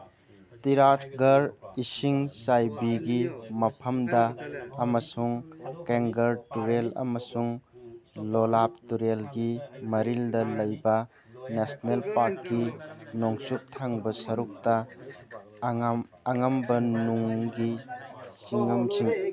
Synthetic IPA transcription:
tiɾatʰɡɐɾisiŋsajbiɡimɐpʰɐmdɐːmɐsuŋkeŋɡɐɾtuɾelɐ̰mɐsuŋ | lolap̚tuɾelɡimɐɾildɐlɐjbɐ | nesnelpaɾkːinoŋsup̚tʰaŋbɐsɐɾuk̚tɐ | ɐŋɐmbɐnuŋɡisiŋɐmziŋ

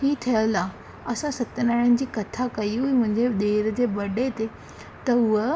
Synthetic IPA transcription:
hiːt̪ʰəjəla | əsãsət̪ːnaɭand͡ʑiːkət̪ʰakəiɦuim̤ə̃ɳd͡ʑed̪eɾd͡ʑebəɽet̪e | t̪əuʋə

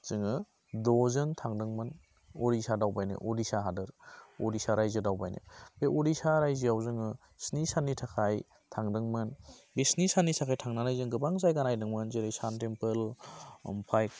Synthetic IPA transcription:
z̥ɯŋɯ | dɔzɯntʰaŋdɯŋmɯn | oɾisadawbajnɯ̰ʔodisaɦadɯɾodisaɾajzɯdawbajnḛbeʔodisaɾajziawzɯŋɯ | snisanːitʰakʰaj | tʰaŋdɯŋmɯnbesnisanːisʰakʰajtʰaŋnanajzɯŋɡɯbaŋzajɡanajdɯŋmɯnzeɾijsantempɯl | mpʰajk̚

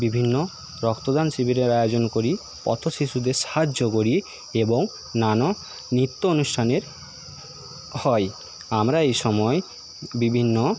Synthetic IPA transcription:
bibʱinːo | ɾɔkt̪od̪ansibiɾeɾajod͡ʑonkoɾi | pɔ̰t̪ʰoʃiʃud̪eɾʃaɦad͡ʑːokoɾi | eboŋ | nano | nit̪ːoonuʃʈʰaneɾ | hɔj | amɾaejʃɔmɔe | bibʱinːo

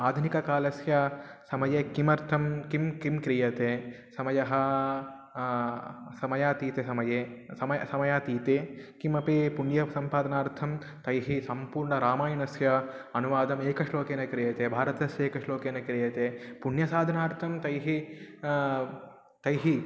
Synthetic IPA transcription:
aːd̪ʱunikɐkaːlɐsjɐsɐmɐjeːkimɐɾt̪ʰɐmkimkimkɾijɐt̪eː | sɐmɐjɐɦɐ | sɐmɐjaːt̪iːt̪esɐmɐjeːsɐmɐjsɐmɐjaːt̪iːt̪eːkimɐpipuɳjɐsɐmpaːd̪ɐnaːɾt̪ʰɐm | t̪ɐjɦisɐmpuːɾɳɐɾaːmaːjɐnɐsjɐɐnuʋaːd̪ɐmeːkɐʂloːkeːnɐkɾijɐt̪eːbʱaːɾɐt̪ɐsjeːkɐʂloːkeːnɐkɾijɐt̪eːpuɳjɐsaːd̪ʱɐnaːɾt̪ʰɐmt̪ɐjɦi | t̪ɐjɦi

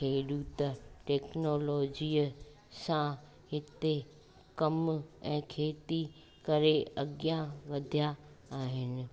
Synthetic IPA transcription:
kʰeːɗut̪ɐʈɛːknoːloːd͡ʑiːə | sã | hɪt̪e | kɐmɛ̃ːkʰeːt̪i | kɐɾeɐɡjaʋɐd̪ʱija | aːɦɪnɪ̆

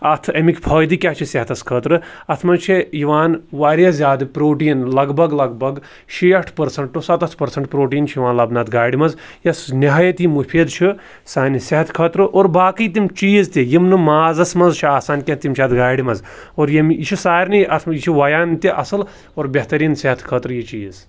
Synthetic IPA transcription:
ɐt̪ʰɐmikʲpʰɐːjd̪ikʲat͡ʃʰiseɦɐt̪ʰɐskʰɐːt̪ɾɨɐt̪ʰmɐnt͡ʃʰijiʋaːnʋaːɾʲjɐzʲjaːd̪ɨpɾoːʈiːnlɐɡbʱɐɡlɐɡbɐɡ | ʃiɐʈʰpɐɾsɐɳʈʈːusɐt̪ɐt̪ʰpɐɾsɐɳʈpɾoːʈiːnt͡ʃʰjiʋãːnlɐbnɐt̪ɡaːjɖimɐz | jɐsniɦaːjɐt̪imupʰiːd̪t͡ʃʰi | saːnʲiseɦɐt̪ʰkʰɐt̪ɾɨʔoːɾbaːkiːt̪imt͡ʃiːzt̪ijimnɨmaːzɐsmɐnzt͡ʃʰiaːsaːnʲkʲɐt̪imt͡ʃʰɐd̪ɡaːɖimɐz | oːɾjimit͡ʃʰisaːɾniɐt̪ʰmjit͡ʃʰiʋɐjaːnt̪iʔɐsɨl | oːɾbʲɐɦt̪ɐɾiːnseɦɐt̪ʰkʰɐːt̪ɾɨjit͡ʃiːz

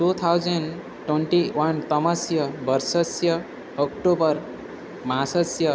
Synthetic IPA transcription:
ʈut̪ʰawd͡zʌn | ʈweɳʈiwʌnt̪ʌmʌsjʌbʌɾsʌsjʌː | kʈobʌɾ | mãsʌsjʌ

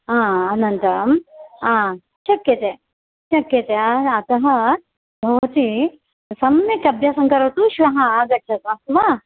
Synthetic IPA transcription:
ãːnɐnt̪ɐmãː | t͡ʃɐkjɐt̪e | t͡ʃɐkjɐt̪eɐt̪ɐɦɐ̆ | bʱɐʋɐt̪i | sɐmɐnɐkɐbʱjaːsɐŋkɐɾɐt̪uʃʋɐɦɐaːɡɐt͡ʃʰɐt̪ɐst̪ʋaː

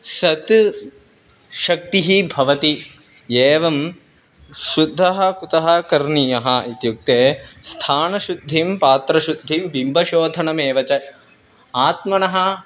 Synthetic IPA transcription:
sɐt̪ | ʃɐk̚t̪iɦibʱɐʋɐt̪i | eːʋɐm | ʃud̪ʱːɐɦɐ̆kut̪ɐɦɐkɐɾɳijɐɦɐit̪juk̚t̪eːst̪ʰaːnɐʃud̪ʱːimpaːt̪ɾɐʃud̪ʱːimʋimbʱɐʃoːd̪ʱɐnɐmeːʋɐt͡ʃɐ | aːt̪mɐnɐɦɐ

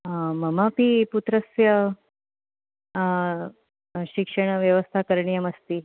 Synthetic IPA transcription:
məmapiːput̪ɾəsjə | ɕikʂəɽ̃əʋjəʋəst̪ʰakəɾɳijəməst̪iː

